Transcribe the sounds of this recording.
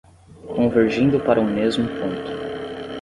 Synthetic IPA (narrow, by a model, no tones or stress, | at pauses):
kõveɾʒĩnd̪ʊpaɾʔɐumezmʊpõnt̪ʊ̥